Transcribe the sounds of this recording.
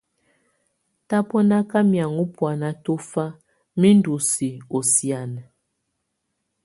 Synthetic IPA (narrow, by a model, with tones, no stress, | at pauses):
ta˦pɔ˦na˦ka˦mja˨ŋu˦pwa˨na˦to˦fa˦ | mi˦n˦du˨si˨o˨sja˨n˨